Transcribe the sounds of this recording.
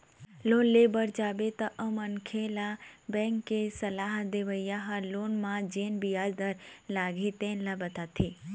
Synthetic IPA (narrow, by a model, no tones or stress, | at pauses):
lonlebəɾd͡ʒabet̪əʔəmənkʰelabɛ̃ŋkːesəlaɦd̪eʋəjaɦalonmãd͡ʒenbijaɾd̪əɾlaɡʱit̪ẽnlabət̪at̪ʰi